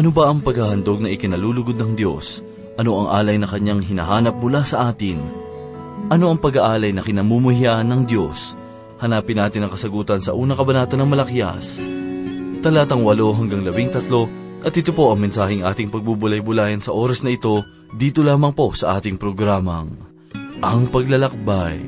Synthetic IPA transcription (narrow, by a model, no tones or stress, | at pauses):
ʔɐno̞bɐʔɐŋpɐɡhahɐnd̪o̞ɡ̚nɐʔɪkɪnɐluːlʊɡod̪̚nɐŋd̪jo̞s | ʔɐno̞ʔɐŋʔa̰ːlɐjnɐkɐɲːaŋɦɪnɐ̰ɦaːnɐp̚mʊlasɐʔaːt̪ɪn | ʔɐno̞ʔɐŋpɐɡɐʔaːlɐjnɐkɪnɐmumuhiaʔɐnːɐŋd̪jo̞s | hɐnaːpɪnːaːt̪ɪnɐŋkɐsɐɡuːt̪ɐnsɐʔuːnɐkɐbɐnaːt̪ɐnɐŋmɐlɐkja̰s | t̪ɐlaːt̪ɐŋwɐlo̞ɦɐŋɡaŋlɐbɪŋt̪ɐt̪lo̞ | ʔɐt̪̚ɪt̪opo̞ʔɐŋmɛnsaːhɪŋʔa̰ːt̪ɪŋpɐɡ̚bubʊlajbʊlaːjɐnsɐʔo̞ːɾɐsnɐʔɪt̪o̞ | d̪iːt̪olaːmɐŋpo̞sɐʔaːt̪ɪŋpɾo̞ɡɾaːmɐŋ | ʔɐŋpɐɡlɐlɐk̚baj